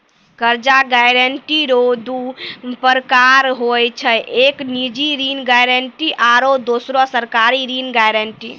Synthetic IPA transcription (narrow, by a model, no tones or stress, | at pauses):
kəɾd͡ʒaɡaɾəɳʈiɾod̪upəɾkaɾɦojt͡ʃʰəʔeknid͡ʒiɾinɡajɾəɳʈiʔaɾod̪osɾɔsəɾkaɾiɾinɡajɾəɳʈḭ